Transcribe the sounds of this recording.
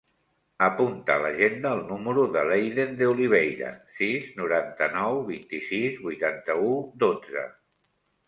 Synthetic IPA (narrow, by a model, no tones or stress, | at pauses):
əpunt̪əːləʒend̪əːlˠnuməɾuðəlejðend̪euliβ̞ejɾə̰siznuɾant̪ənɔwβint̪isizβujt̪ant̪əud̪od͡zə̰